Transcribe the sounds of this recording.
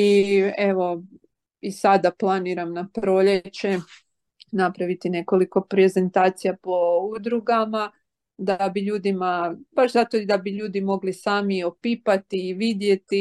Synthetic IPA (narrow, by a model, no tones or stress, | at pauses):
ie̞ʋo̞ | isad̪aplˠaniɾamnapɾo̞ʎet͡ɕe̞ | napɾaʋit̪ine̞ko̞liko̞pɾe̞ze̞nt̪aːt̪sijapo̞ud̪ɾuɡama | d̪abiʎuːd̪imab̥aʃzat̪od̪abiʎuːd̪imo̞ɡlisaːmio̞piːpat̪iːʋid̪je̞t̪i